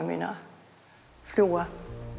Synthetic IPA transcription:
mḛnɐ | floːɐ

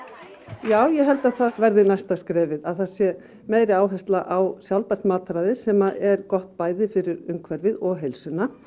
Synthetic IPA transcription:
jaːwjɛɦɛlt̪aðθaðvɛɾðɪnajst̪askɾɛːvɪðaðθaðsjɛ | meːjɾɪaːwɦɛst̪laʔawsjawlpɛr̥t̪maːt̪ɾaðɪsɛmaʔɛɾkɔht̪paːjðɪfɪɾɪɾʏmkʰvɛɾvɪðɔɣɦejlsʏna

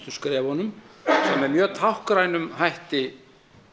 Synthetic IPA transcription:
t̪ʏskɾɛːvɔnʏmsɛmvɛɾmjœːt̪ʰawhkɾajnʏmhajht̪ɪ

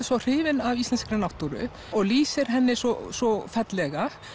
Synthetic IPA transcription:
sɔr̥ɪːvɪnavist̪ɛnskɾɛnawht̪uɾʏ̰ | ɔɣliːsɪɾ̥ɦɛnːɪsɔsɔfɛt̪lɛɣa

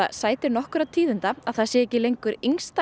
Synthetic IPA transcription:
a̰saːjt̪ɪɾnɔhkʏɾat̪ʰiːðʏnt̪aaðθaðsjɛɛcːɪlejŋkʏɾiŋst̪a

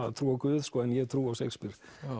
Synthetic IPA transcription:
aðt̪ʰɾuːawkʏːð̥skɔːɛnjɛɣt̪ʰɾuːawsejkspɪɾ̥

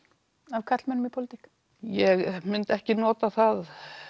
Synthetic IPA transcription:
avkʰat̪l̥mɛnːʏmipʰowlɪt̪ik | jɛɣmɪnt̪ɛhcɪnɔːt̪aθað

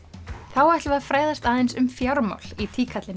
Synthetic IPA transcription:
θawaht̪lvafɾeːjðast̪aːðejnsʏmfjaɾma̰wl̥it̪ʰiːkʰat̪lɪn

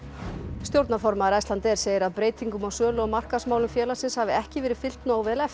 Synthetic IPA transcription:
st̪jowɾt̪nafɔɾmaðɪɾajst̪lant̪ɛɾ̥seːjɪɾaðpɾeːjt̪ʰiŋkʏmawsœːlʏɔɣmar̥kasmaːwlʏmfjɛːlasɪnshavɪɛhcɪvɛːɾɪfɪl̥t̪nawvɛːðlɛf

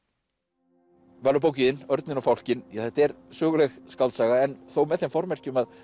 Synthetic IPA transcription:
vaːlʏp̬oːwcɪðɪnœɾt̪nɪnɔwfawl̥cɪnjaθɛht̪ɛɾsʏːɣʏlɛɣskawlt̪saːɣaɛnθowmɛðθejmfɔɾmɛr̥cɪmað

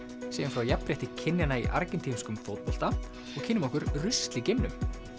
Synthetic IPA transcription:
sɛɣanfɾawjapɾjɛht̪ɪcʰɪnːjanaḭʔa̰ɾcɪnt̪ʰimskʏmfowt̪̚pɔl̥t̪a | ɔɣkʰɪnːɪmɔhkʏɾrʏst̪lɪcɪmnʏm

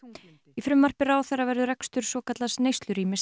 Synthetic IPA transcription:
ifɾʏmːar̥pɪɾaːwθɛravɛɾðʏɾɛkst̪ʏɾ̥svɔːkat̪lasnejst̪lʏɾiːmɪs

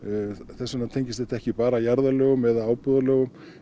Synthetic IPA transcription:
θɛsːanat̪ʰejɲcɪsɛht̪aɛhcɪpaːɾajaɾðalœːɣʏmɛðaaːwpɔðalœːɣʏm

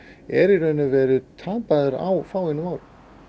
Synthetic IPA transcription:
ɛɾiɾœnʏvɛːɾʏt̪ʰaːpaðʏɾa̰wfaːwɪnʏmaːwɾʏ

